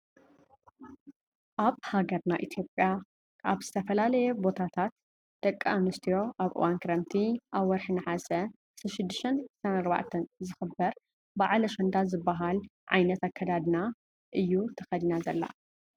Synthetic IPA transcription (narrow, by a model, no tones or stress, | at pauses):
ʔaβhaɡɐɾnaʔit̪ʰjo̞pʼja | aβzɨt̪ʰɐfɐlalɐjɛbo̞t̪ʰat̪ʰat̪ | d̪̥ɐkʼːaamɨst̪ʰijo̞ʔaβʔɨ̰wankʰɨɾɐmt̪ʰiʔaβwɔɾħɨnɨħasɐ | ɨsɾɐʃɪd̪ːɨʃt̪ɐnɨssanaɾba̰ʕt̪ʰɐnzɨxɨbːɐɾ | baʕlɐʃɐnd̪azɨbːaɦalʕajnɐt̪akʰːɐd̪ad̪na | ʔɨjːut̪ʰɐxɐd̪inazɐlːa̰